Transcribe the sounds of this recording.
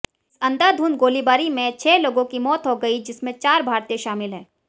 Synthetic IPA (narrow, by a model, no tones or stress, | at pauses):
ɪsɐ̃nd̪aːd̪ʱuːnɡoːlibaːɾimẽt͡ʃʰɛːloːɡõkimɔːt̪ɦoɡɐid͡ʒɪsmẽt͡ʃaːɾbʱaːɾt̪ẽʃaːmɪlɦɛ̰̃ː